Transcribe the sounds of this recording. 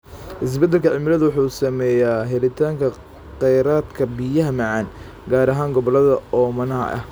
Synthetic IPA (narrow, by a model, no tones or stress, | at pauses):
ʔɪs̬bɐd̪ːɛlkʰɐʕɪmɪlɐðʊwʊħuːsɐmɛjaːɦɛlɪt̪ʰaːŋkʰɐ | qɛjɾaːd̪kʰɐbijɐɦɐmɑʕɑːn | ɡaːɾɐɦaːŋɡɔβɔlɐðɐɔːmɐnɐɦɐ̰ʔɐ̰h